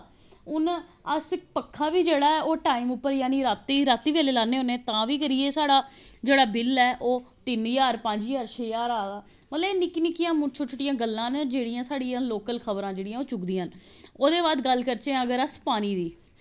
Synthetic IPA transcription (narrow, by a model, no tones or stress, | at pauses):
ʊn | əspəkʰːaːʋiːd͡ʒeːɽaːɛːoːʈaːimʊpːəɾjaːniːɾaːt̪ːiːɾaːt̪ːiːʋeːleːlaːneːɦoneːt̪ãːʋiːkəɾiːeːsaːɽaːd͡ʒeːɽaːbɪlɛːʔoːt̪ɪnjaːɾpə̃ɲd͡ʒjaːɾt͡ʃʰeːjaːɾaːd̪aː | mət̪ləeːnɪkinɪkijãːmʊt͡ʃʰoːt͡ʃʰʊʈɪjãːɡəlːãːnd͡ʒeːɽijãːsaːɽijãːloːkəlkʰəbɾãːd͡ʒeːɽɪjãːoːt͡ʃʊkd̪ĩːənoːd̪eːʋaːd̪ɡəlkəɾt͡ʃẽːəɡəɾəspaːñiːd̪iː